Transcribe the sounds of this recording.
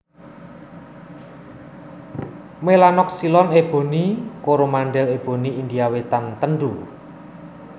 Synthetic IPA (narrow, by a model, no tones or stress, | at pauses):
melanɔk̚silɔneb̥o̤nikoɾomanɖɛleb̥o̤niind̪iawet̪ant̪ənɖu